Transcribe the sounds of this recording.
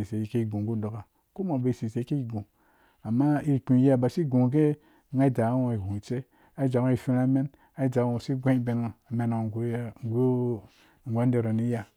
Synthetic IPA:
i˨se˨ji˦ke˦i˦˨ɡu˨ɡu˦do˨ka˨ | ko˦mo˨be˨si˨se˨i˦e˦i˨ɡu˨ | a˨ma˦i˦˨k͡pĩ˨˦a˦˨ba˨si˦ɡũ˨ŋ˨ɡ̬e˦˨ | ŋa˦i˦d͡ʒa˨˦wo˨i˨hũ˨t͡ʃe˦ | a˦i˦d͡ʒa˨˦õ˦i˨fi˦ɾa˦me˦n | a˦i˦˨d͡ʒa˨˦wõ˨si˦ɡʷã˦i˦be˨no˨a˨me˨no˨ŋ˨ɡʷo˦ŋ˦ɡʷo˦˨ | ŋ̩˨ɡʷa˦n˦de˨ɾo˨ni˦ja˦

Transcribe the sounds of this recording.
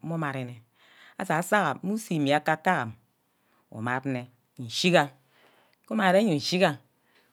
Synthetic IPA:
u˦ma˨ɾe˨ne˨ | a̰˦sa˨˦sa˦ɣa˨˦mu˦si˨mi˨a˦ka˦ta˦ɣa˨m | o̰˨ma˨tne˨ | n̩˨ʃi˦ka˦ | ko˦ma˨ɾe˦ɲu˨n̩˨ʃi˦ka˦

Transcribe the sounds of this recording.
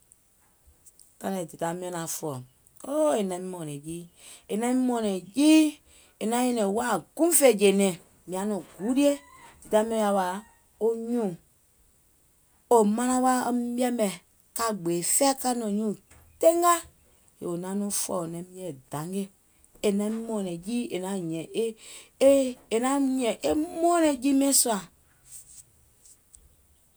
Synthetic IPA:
ka˧nɛ̃˨di˨ta˨mĩ˦ɛ̃˧nã˨fɔ˨ | o˦e˨nã˨˦mĩ˦mɔ̃˨nɛ̃˨jiː˦ | e˨nã˨˦mĩ˦mɔ̃˨nɛ̃˨jiː˦ | e˨nã˨˦ɲɛ̃˧nɛ̃˨wa˦˨ɡ̥ũ˦fe˦˨d͡ʒe˨nɛ̃˨ | mĩ˨ã˨˦nɔ̃˨ɡu˨˦ɾi˦e˦ | d̥i˨ta˧˦mĩ˦ɛ̃˧˦ja˧˦wa˨ | o˦ɲũː˦˨ | o˨mã˧nã˧˦wa˦˧˦bi˦ɛ˦mbɛ̃˨ | ka˧˨ɡ͡beː˨fɛː˦ka˦nɔ̃˨ɲũː˦˨ | te˦ŋɡa˦ | e˨o˨nã˨˦nũ˦fɔ̰˨o˨nɛ̃˨˦mĩ˧˦ɛ̃˨dã˨˦ŋɡe˦ | e˨nɛ̃˨˦mɔ̃ː˨˦˨nɛ̃˨jiː˦e˨nã˨˦˨ɲɛ̃˨e˦ | e˨nã˦ɲɛ̃˨ʔe˦mɔ̃ː˦nɛ̃˨d͡ʒiː˦mɛ̃˦su˦a˨

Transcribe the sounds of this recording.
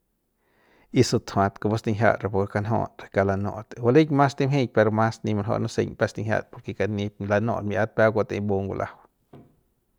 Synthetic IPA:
i˧su˧t̪ʰhw̃ã˧t̪ko˧bo˦st̪ĩ˧ɦʲja̰˧ʔɾe˧˨po˧ɾke˧ka˧nɦõ̰˧ɾe˧ka˧la˧nõ̰˧ʔt̪wa˧le˦jɲmã˦st̪i˦mɦẽ˧jpe˧ɾo˧mã˦snĩ˧ma˧nɦo̰˧ʔnũ˦sḛ˧ɲpɛ˦st̪ĩ˧ɦja̰˧˨t̪po˧ɾke˧ka˧nĩ˧pla˧nõ̰ː˧˨t̪mĩ˧ʔa˦t̪̚pɛ˦ɡʷa˧t̪ẽ˧˦bo˧ŋɡʷṵ˧lʔa̰˦w

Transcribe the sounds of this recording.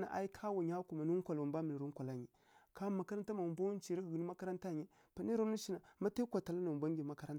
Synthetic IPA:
na̰˨ʔa˦i˦kʰa˦wa˨ɲa˦ku˨ma˨nu˦ŋ˦kʷa˨lu˨mba˦mi˨ni˨ɾo˦ŋkʷa˨la˦ɲi˨ | ka˦ma˨ka˦ɾa˦nta˦ma˨mba˦n˦t͡ʃi˨ɾi˦ɡɡni˦ma˦ka˦ɾa˦nta˦˨ɲi˦ | pa˨ni˦ɾo˦mni˦ʃi˦na˨ma˦ta˦kʷa˨ta˨la˦na˨bʷa˦ŋ˦ɡi˨ma˦ka˦ɾa˦n˨

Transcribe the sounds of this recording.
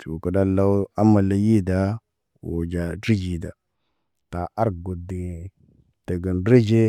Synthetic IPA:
tu˨kə˨da˦la˦wa˦ma˨la˨ji˦da˦ | wo̰˨d͡ʒa˨di˦d͡ʒi˨da˨ | ta˨ʔa˦ɾɡo˨di˨ | tə˨ɡə˨nɾe˦d͡ʒe˦

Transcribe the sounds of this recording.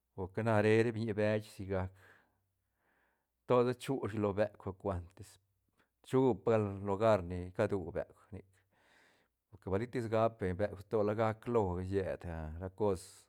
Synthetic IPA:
po˨ɾke˧na˧ɾe˧ɾe˦bɲi˧be˧t͡ʃsi˧ɡa˧k | t̪o˦d̪a˦t͡ʃu˦ʃ̬i˧lo˧be˨kʷa˧kʷe˧nt̪e˧s | t͡ʃu˦pɡa˦llo˧ɡa˦ɾni˧ka˦d̪u˨bḛ˨kʷni˧k | po˨ɾke˨ba˨li˦t̪i˦sɡa˦pbe˨be˨kʷt̪o˦la˧ɡa˦klo˧je˨d̪a˧ɾa˧ko˦s

